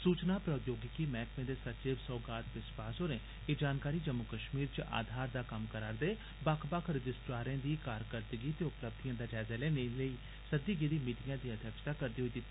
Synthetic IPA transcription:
suːt͡ʃnaːpɾəːjoːɡɪkiːmɛːkmẽːd̪eːsət͡ʃɪːʋsɔːɡaːt̪ʋɪswaːsɦoːɾẽː | eːd͡ʒaːnkaːɾiːd͡ʒəmːʊkəʃmiːɾt͡ʃʔa̰ːd̪ʱaːɾd̪aːkəmkəɾaːɾd̪eː | bakʰbəkʰɾəd͡ʒɪsʈɾaːɾẽːd̪iːkaːɾkəɾd̪əɡiːt̪eːʊpləb̚d̪ijãːd̪aːd͡ʒɛːzɛːleːneləiː | səd̪iːɡeːd̪iːmiːʈɪjãːd̪iːəd̪ʱjəkʃt̪aːkəɾd̪iːɦoiːd̪it̪ːiː

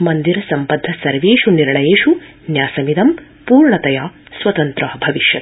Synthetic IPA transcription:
mɐnd̪iɾɐsɐmpɐd̪ʱːɐsɐɾʋeːʃuniɾɳɐjeːʂu | njaːsɐmid̪ɐm | puːɾɳɐt̪ɐjaː | sʋɐt̪ɐnt̪ɾɐɦɐbʱɐʋiʃjɐt̪

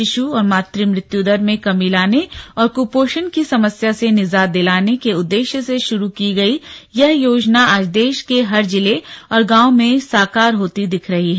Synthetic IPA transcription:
ɪʃuɔːɾmaːt̪ɾimɾɪt̪jud̪əɾmẽkɐmilaːneɔːɾkupoːʃənkisɐməsjasenɪzaːd̪ɪlaːnekeʊd̪ːeːʃjəseʃʊɾukiɡɐijɐɦjoːd͡ʒnaaːd͡ʒd̪eːʃkeɦɐɾd͡ʒɪleɔːɾɡãːomẽsaːkaːɾɦoːt̪id̪ɪkʰɾɐɦiɦɛː

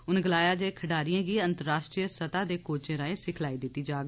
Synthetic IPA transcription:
ʊnɡəlaːjaːd͡ʒeːkʰəɖaːɾijãːɡiːənt̪əɾaːʃʈɾijəsət̪aːd̪eːkoːt͡ʃẽːɾãːẽːsɪkʰlaːiːd̪ɪt̪ːiːd͡ʒaːɡ

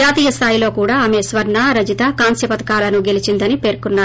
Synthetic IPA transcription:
d͡ʒaːt̪iːjɐst̪ʰaːjilo̞ːkuːɽaːɐmesʋɐɾɳaːɾɐd͡ʒit̪ɐkaːnsjɐpɐt̪ɐ̥kaːlɐnuɡelit͡ʃind̪ɐnipe̞ːɾkunːaːɾu

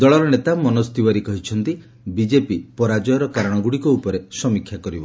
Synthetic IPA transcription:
d̪ɔɭɔɾɔnet̪amɔnɔst̪iwaɾikɔɦit͡ʃʰɔnt̪i | bid͡ʒepipɔɾad͡ʒɔjɔɾɔkaɾɔɽ̃ɔɡuɽikɔupɔɾesɔmikʰːjakɔɾibɔ

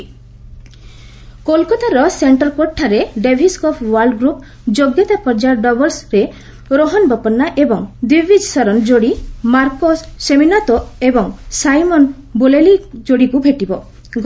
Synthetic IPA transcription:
kolkɔt̪aɾɔseɳʈɔɾkoʈʰːaɾeɖebʱiskɔpʰwaɾɖɡɾup | d͡ʒoɡjɔt̪apɔɾd͡ʒaɾɖɔbɔɾsɾe | ɾoɦɔnbɔpɔnːaʔebɔŋd̪wibid͡ʒsɔɾɔnd͡ʒoɽimaɾkosːeminat̪oebɔŋsajmɔn | bolelid͡ʒoɽikubʱeʈibɔ | ɡ

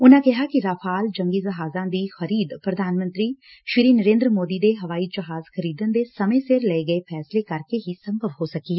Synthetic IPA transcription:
ʊnãːkɪɦaːkɪɾaːpʰaːld͡ʒəŋɡiːd͡ʒəɦaːzãːd̪iːxəɾiːd̪pɾəd̪ʱaːnmə̃nt̪ɾiː | ʃɪɾiːnəɾẽːnd̪ɾəmoːd̪iːd̪eːɦəʋaːiːd͡ʒəɦaːzkʰəɾiːd̪ənd̪eːsəmẽːsɪɾləeːɡəeːpʰɛːsleːkəɾkeːɦiːsə̃mbəʋɦoːsəkiːɛː

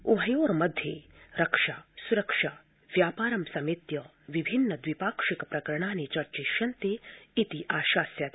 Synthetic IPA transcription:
uɦɐjoːɾmɐd̪ʱje | ɾɐkʂaːsuɾɐkʂaː | ʋjaːpaːɾɐmsɐmit̪jɐ | ʋibʱinːəd̪ʋipaːkʂikpɾɐkɐɾɳ̃aːnit͡ʃɐɾt͡ʃiʃɐnt̪eit̪iʔaːʃaːsjaːt̪ː

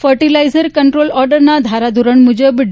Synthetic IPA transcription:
fəɾʈilajzəɾkəɳʈɾoːlɔɾɖəɾnad̪ʱaɾad̪ʱuɾəɳmud͡ʒəbɖ

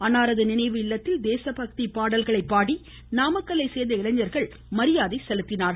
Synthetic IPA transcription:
ɐnaːɾɐðɯnɪnɐɪʋɯɪlːɐt̪ːɪld̪eːsɐpɐk̚t̪ipaːɽɐlɣɐɭɐɪpːaːɽi | naːmɐkːɐɭɐɪsɛjd̪ɐɪɭɐɲɐɾɣɐɭ | mɐɾɪjaːðɐɪsɛlɯt̪ːɪnaːɾ

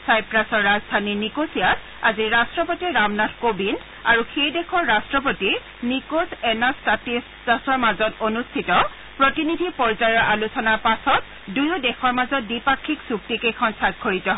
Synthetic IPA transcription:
sajpɹasɔɹːazdʱaninikosijat | aziɹastɹɔpotiːamnadʱkobin | aɹuxejdɛxʰɔɹːastɹɔp̬otiɹ | nikosɛnastatis | tasɔɹmazɔtonustʰitɔ | pɹotinidʱipɔɹzajɔɹʔalusɔnaɹpasɔt̚ | dujɔdɛxʰɔɹmazɔt̚bipakʰːiksuk̚tikejkʰɔnsak̚kʰːoɹitɔɦ

